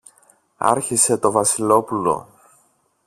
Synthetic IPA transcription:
ɐ̰ɾçise̞t̪o̞vɐsilo̞pulo̞̰

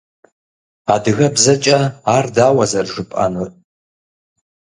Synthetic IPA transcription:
aːdɨɣɐbzɐt͡ʃʼɐaːrdaːwɐzɐrʐɨpʼɐ̰nɨ

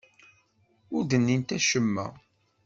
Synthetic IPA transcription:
ʊɾd̪ənːint̪æʃəmːæ̰

